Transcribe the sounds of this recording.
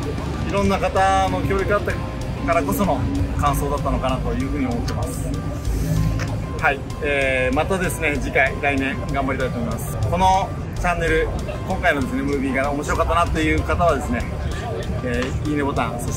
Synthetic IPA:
iɾõ̞nːakat̪ano̞kʲoːɾjokɯ̟at̪ːa | kaɾako̞so̞no̞kãɰ̃so̞ːd̪at̪ːano̞kanat̪ojɯ̟ːɸɯ̟ːɲ̟io̞mo̞t̪ːe̞masɨ̥ | hai | eːmat̪ad̪e̞sɨne̞d͡ʑikaiɾainẽ̞ŋɡãmbaɾʲit̪ait̪omo̞imasɨ̥ko̞no̞ | t͡ɕãnːe̞ɾɯ̟ | kõ̞ŋkaino̞d̪e̞s̬ɨne̞mɯ̟ːbʲiːɡaomo̞ɕiɾo̞kat̪ːanat̪ːoe̞jɯ̟ːkat̪aβ̞ad̪e̞sɨne̞ | eːiːnebo̞t̪ãso

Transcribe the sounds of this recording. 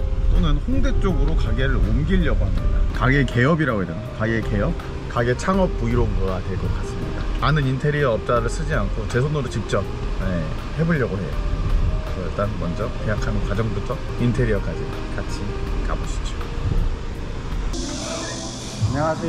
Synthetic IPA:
t͈onɯnɸoŋde̞t͡ɕ͈oɡɯɾokaɡeɾɯɭomɡiʎːʌɡohamɲida̰kaɡeke̞ʌbiɾaɡoɦedenakaɡeke̞jʌp̚ | kaɡe̞t͡ɕʰaŋʌp̚p͈ːuiɾoɯnɡʌwatwe̞ɭk͈ʌk͈as͈ɯmɲida̰anɯnintʰe̞ɾiʌʌp̚t͡ɕ͈aɾɯɭs͈ɯd͡ʑiankʰot͡ɕe̞sʰonoɾot͡ɕik̚t͡ɕ͈ʌp̚je | he̞boʎːʌɡohe̞̰jo̰ | ʌt͈anmʌnd͡ʑʌkejakʰankwad͡ʑʌŋbutʰʌ | intʰe̞ɾiʌk͈ad͡ʑi | kat͡ɕʰikaboɕʰi̥d͡ʑo | ɲasʰe

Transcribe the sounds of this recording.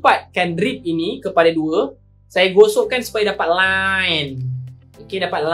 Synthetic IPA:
pat̪̚kandɾip̪̚inikəpadaduə | sajaɡosoʔkansu̥pajadapat̪̚lan | okedapat̪̚la

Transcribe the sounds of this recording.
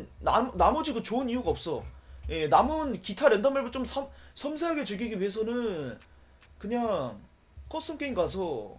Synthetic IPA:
na̰mnamʌd͡ʑikɯt͡ɕoɯniuɡaʌp̚s͈ʌje̞namɯnkitʰaɾe̞ndameɭbɯt͡ɕomsʰʌmsʰʌmsʰeɦaɡe̞t͡ɕɯɭɡiɡiɥiɦe̞s̬ʰʌnɯn | kɯɲaŋ | kʰʌs͈ɯmk͈eiŋɡas̬ʰʌ

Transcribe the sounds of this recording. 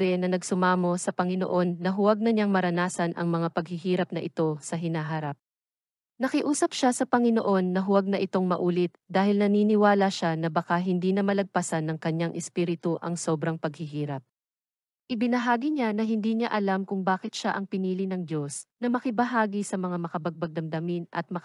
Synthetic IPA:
ɾɛnɐnɐɡsʊmaːmo̞sɐpɐŋɪno̰ʔo̞nːɐɦʊwaɡ̚nɐɲaŋmɐɾɐnaːsɐnʔɐ̰ŋmɐŋapɐɡhɪɦiːɾɐp̚nɐʔɪt̪o̞sɐɦɪnaɦaɾap̚ | nɐkɪʔuːsɐpʃasɐpɐŋɪnoʔo̞nːɐɦʊwaɡ̚nɐʔɪt̪o̞ŋmɐʔuːlɪt̪̚d̪aːhɪlnɐniːnɪwaːlɐʃanɐbɐkaɦɪnd̪iːnɐmɐlɐɡ̚pɐsanːɐŋkɐɲaŋʔɛspiːɾɪt̪uʔɐ̰ŋso̞ːbɾɐŋpɐɡ̚hɪɦiːɾɐp̚ | ʔɪbɪnɐɦaːɡiɲanɐɦɪnd̪iːɲaʔɐlamkʊŋbaːkɪt̪̚ʃaʔɐŋpɪniːlɪnɐŋdo̞snɐmɐkɪbɐɦaːɡisɐmɐŋamɐkɐbɐɡ̚bɐɡ̚d̪ɐmd̪ɐmɪnʔɐ̰t̪̚mɐ

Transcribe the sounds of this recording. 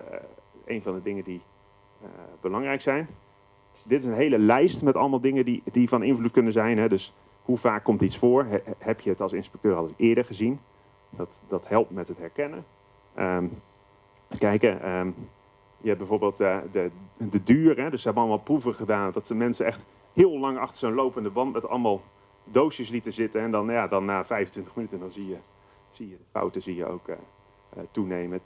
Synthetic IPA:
ḛjnvɑndədɪŋədi | bəlɑŋrɛjksɛjn | dɪtɪsənɦejləlɛjstmɛtɑ̰lˠəmalˠdɪŋədidivɑnɪnvlut̚kɵnəzɛjnɦɛdɵs | huv̥aːkːɔmtitsfʊːɹhɛpjəətɑlˠsɪnspɛk̚tøːrɑlˠɪːɹdəɹχəzin | dɑtdɑthɛlˠp̚tmɛtɦətɦɛɹkɛnə | ʔəm | kɛjkəʔəm | jəɛbɛjvoːɹbeːlˠtədədədyːrɦɛdʏsəɦɛbənɑlˠəmalˠpruvəχədaːndɑtsəmɛnsəɛχt | hɪːlˠlɑŋɑχtə̥ɹzonlowpəndəbɑntmɛtɑ̰lˠmalˠ | dowʃəslitəzɪtənɛndɑnjaːdɑnːaːvɛjvəntʋɪntəχmənytəndɑnzijə | z̥ijədəfa̰wtəzijə̰o̰wkə | ətunejmə

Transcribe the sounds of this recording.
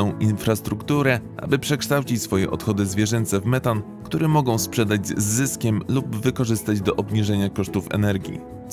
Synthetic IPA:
ɔ̃w̃infɾast̪ɾukt̪uɾɛʔa̰bɘpʂɛkʂt̪awt͡ɕit͡ɕsfɔjɛ̰ʔɔ̰t̪xɔd̪ɘzvʲjɛʐɛnt̪sɛvmɛt̪an | kt̪uɾɛmɔɡɔ̃w̃spʂɛd̪ad͡ʑzːɘskʲɛmlubvɘkɔʐɘst̪ad͡ʑd̪ɔʔɔbɲiʐɛɲakɔʂt̪ufɛ̰nɛɾɡʲḭ

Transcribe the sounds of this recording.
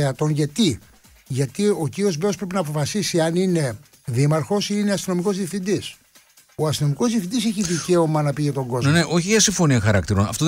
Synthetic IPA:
eɐt̪o̞nʝɐt̪i | ʝɐt̪io̞ciɾio̞zbeos̬pɾepinɐːp̬o̞fɐsisiɐnine̞ | ðimɐɾxo̞siine̞ɐst̪ino̞miko̞zðiɐfθind̪is | oɐst̪ino̞miko̞zðiɐfθind̪isɛçiðice̞o̞mɐnɐpiʝɐt̪o̞ŋɡo̞zneʔo̞çiʝɐsiɱfo̞niɐxɐɾɐ̰kt̪iɾonɐ̰ft̪o

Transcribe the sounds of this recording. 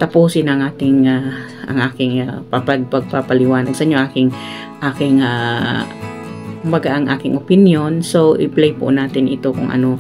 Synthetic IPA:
t̪ɐpuːsɪnɐŋʔaːt̪ɪŋa | ʔɐ̰ŋʔaːkɪŋapapaɡpɐɡ̚papalɪwaːnaɡsɐʔɪɲoʔaːkɪŋ | ʔaːkɪŋa | kʊmbaɡaʔɐŋʔa̰ːkɪŋʔʊpɪnjonsoʔɪ̰plejpʊ̰ʔnaːt̪ɪnʔɪt̪okʊŋʔɐ̰no

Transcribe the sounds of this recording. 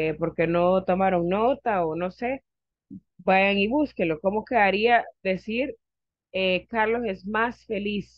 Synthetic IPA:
epo̞ɾke̞no̞t̪o̞maɾo̞ŋno̞t̪aono̞se̞ | baʝaŋiβuskelo̞ko̞mokeaɾiaðe̞siɾ | ekaɾlo̞se̞smasfe̞lis

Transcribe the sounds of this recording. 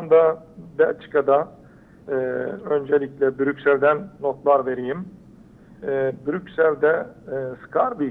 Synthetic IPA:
and̪ab̪ɛt͡ʃʰɯ̥kad̪a | ɯːø̞nd͡ʒelʲiclʲɛbyɾycsælʲd̪ænːo̞t̪lˠaɾve̞ɾijim | byɾycʲsælʲd̪ɛːsɨ̥kʰaɾbi

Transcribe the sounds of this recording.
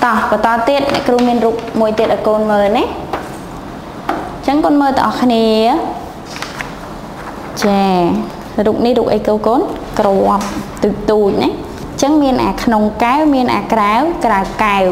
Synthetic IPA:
t̪ɑhpɑt̪ɑːt̪ːiət̪̚nɛ̰̆əʔkruhmiənruːk̚muəjt̪iət̪̚ɗaɔːjkoːnməːlna | t͡ɕəŋkoːnməːlt̪ə̰ŋʔɑhkʰniə | t͡ɕaː | ruːp̚nihruːk̚ʔə̰jkoːkoːn | kroəp̚t̪uːc̚t̪uːc̚nah | t͡ɕəŋmiənʔa̰ːkʰnoŋkawmiənʔa̰ːkrawkraəwkaw

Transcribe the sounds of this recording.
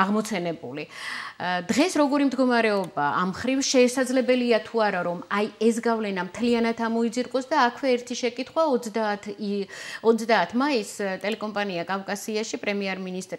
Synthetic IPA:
aʁmɔt̪sʰɛnɛbuli | d̪ʁɛsɾɔɡɔɾimd̪ɡɔmaɾɛɔbaamχɾivʃɛːsad̪zlɛbɛliat̪ʰuaɾaɾɔmajɛs̬ɡavlɛnamt̪ʰlianat̪ʰamɔid̪ziɾkʼɔsd̪aːkʰvɛːɾt̪ʰiʃɛkʼit̪ʰχwad̪at̪ʰ | ɔt̪sd̪aːt̪ʰmaist̪ʼɛlɛkʼɔmpʼaniakʼavkʼasiaʃipʼɾɛmiɛɾminist̪ʼɾ

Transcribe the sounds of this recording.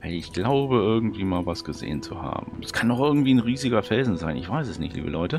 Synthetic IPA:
vaɪlɪçɡ̥laʊbəʔɪɐɡŋ̩tv̥iːmaːlvasɡ̥əzḛːənt͡suha̰ːbm̩ɛskʰandɔχʔɪɐɡŋ̩tv̥iːnʁiːzɪɡɐfɛlzn̩zaɪnɪçv̥aɪsɛsnɪ̰çtlḭːbə̰lʔɔʏtə

